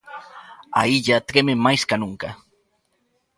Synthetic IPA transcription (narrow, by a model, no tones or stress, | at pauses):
a̰iʎat̪ɾememajskanʊŋka